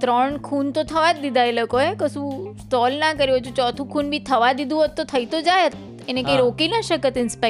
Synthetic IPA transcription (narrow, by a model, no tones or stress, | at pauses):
t̪ɾəɳkʰunt̪ot̪ʰəʋad̪id̪ʱajləkoekəsũ | t̪ɔlnakəɾiot͡ʃʰũt͡ʃɔt̪ʰũkʰunbʱit̪ʰəʋad̪id̪ũɦot̪ːot̪ʰəit̪od͡ʒajt̪ | enekaiɾokinəʃəkət̪ɪnspa